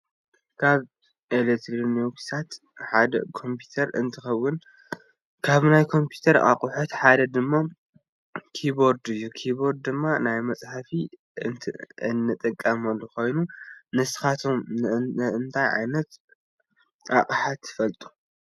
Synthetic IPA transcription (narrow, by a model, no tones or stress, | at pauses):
kʰaβ | ʔelekt̪ʰɾineksʰat̪ | ħad̪ɐ̰kʰo̞mpʰu̥t̪ʰɐɾɨ̰nt̪ʰɨxɐwːʊn | kʰaβnajkʰo̞mpʰju̥t̪ʰɐɾa̰kʼuħot̪ħad̪ɐd̪ɨmːa | kʰibo̞ɾd̪ɨjːukʰibo̞ɾd̪̚d̪ɨmːanajmɐt͡sʼħafi | ɨt̪ʰɨnːɨt̪ʼɐkʼːɐmɐlːukʰo̞jnunɨsɨ̥xat̪ʰo̞m | ɨnt̪ʰajʕa̰jnɐt̪ | a̰χʼħat̪ʰːɨ̥fɐlt̪ʼu̥